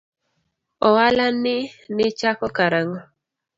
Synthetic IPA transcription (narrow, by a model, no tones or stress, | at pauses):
ɔwalanɪnɪt͡ʃakɔkaɾaŋɔ